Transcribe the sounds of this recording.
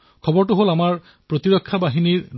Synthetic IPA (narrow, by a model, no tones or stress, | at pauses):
kʰɔbɔɹtʊɦolamaɹ | pɹot̪iɹɔkʰːabaɦiniɹ